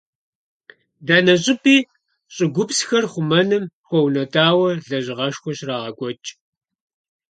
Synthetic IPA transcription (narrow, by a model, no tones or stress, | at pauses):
daːnɐɕʼɪpʼiː | ɕʼɪɡʷʊpsxɐrχʷʊmɐnɨmχʷɔwnɐtʼaːwɐɮɐʑɪʁɐʃxʷɔɕraːʁɐɡʷʼɔt͡ʃʼ